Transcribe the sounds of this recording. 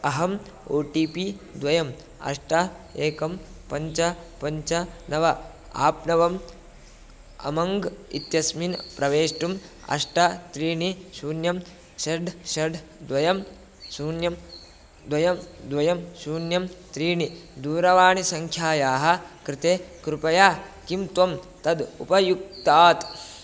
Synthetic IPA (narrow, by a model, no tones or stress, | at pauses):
ɐɦɐm | oːʈiːpid̪ʋɐjɐm | ɐ̰ʂʈɐeːkɐmpɐɲt͡ʃɐpɐɲt͡ʃɐnɐʋɐ | a̰ːpnɐʋɐm | ɐ̰mɐŋɡḭt̪jɐsminpɾɐʋeːʂʈum | ɐ̰ʂʈɐt̪ɾiːɳisuːnjɐm | ʃɐɖʱʃɐɖʱd̪ʋɐjɐm | suːnjɐm | d̪ʋɐjɐmd̪ʋɐjɐmsuːnjɐmt̪ɾiːɳid̪uːɾɐʋaːɳisɐŋkʰjaːjaːɦɐ̆kɾɪt̪eːkɾupɐjaːkimt̪ʋɐm | t̪ɐd̪ṵpɐjuk̚t̪aːt̪